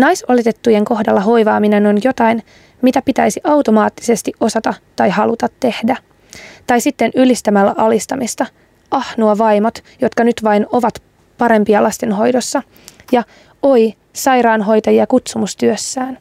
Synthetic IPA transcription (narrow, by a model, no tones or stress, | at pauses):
nɑjsolet̪et̪ːuje̞ŋko̞hdɑlːɑɦo̞jʋɑːmineno̞njo̞t̪ɑjn | mit̪æpit̪æjsiʔɑwt̪o̞mɑːt̪ːi̥se̞st̪iʔʔo̞sɑt̪ɑt̪ɑjhɑlut̪ɑt̪ːe̞hdæ | t̪ɑjsit̪ːe̞nylist̪æmælːæ̰ʔɑlist̪ɑmist̪ɑ | ʔɑhnuɑʋɑjmot̪jo̞t̪kɑnyt̪ʋɑino̞ʋɑt̪ | pɑɾe̞mpiɑlɑst̪enɦo̞jdo̞sːɑ | jɑ | oi | sɑjɾɑːnɦo̞jt̪ɑjiɑkut̪sumust̪yøsːæːn